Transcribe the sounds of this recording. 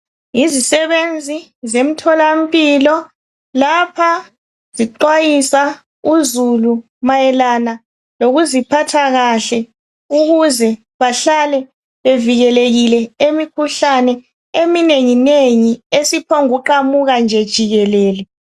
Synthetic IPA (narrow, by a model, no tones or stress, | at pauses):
izisɛβend͡zʱizem̩tʰɔlam̩pʼilɔ | lapʰa | ziǃwajisa | uzulu | majɛlana | loɣuzipʰatʰaɣaɬɛ | uɣuzɛ | βaɬalɛ | βeviɣɛleɣilɛemikʰuɬanɛ | emineŋineŋiesipʰɔŋuǃamuɣand͡ʒʱɛd̥ʒ̥ʱiɣɛlɛːlɛ